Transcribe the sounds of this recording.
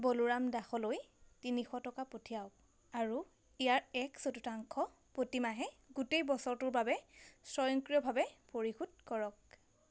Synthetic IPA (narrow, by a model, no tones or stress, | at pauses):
boluɹamdaxɔlojtinixɔtɔkapotʰijaʊk̚ | aɹu | ijaɹɛksotutaŋkʰɔ | potimaɦɛ | ɡutejbɔsɔɹtʊɹbabɛsɹɔjɔŋkɹijɔbʱabɛpoɹixudkɔɹɔk̚